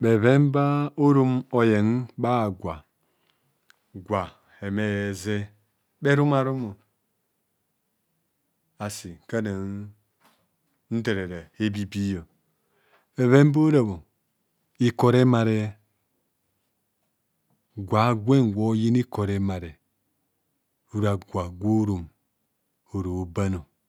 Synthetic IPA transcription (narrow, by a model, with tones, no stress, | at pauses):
be˨βe˦m˦ba˦o˦ɾu˦mo˨je˨n˦ba˦˨ɡʷa˨ | ɡʷa˨ | e˨me˦je˨ze˦ | be˦ɾu˦ma˨ɾu˦mo˨ | a˨si˨ka˦na˨n˦ | n̩˦de˨ɾe˨ɾe˨e˦bi˦bi˦jo˨ | e˨βe˦m˦bo˦ɾa˨bo˨ | i˦ko˨ɾe˦ma˨ɾe˦ | ɡʷa˨˦ɡʷe˦nwo˦ji˦n˦i˦ko˨ɾe˦ma˨ɾe˨ | u˦ɾa˨ɡʷa˨ɡʷo˦ɾu˨m | o˨ɾo˨o˨ba˦no˨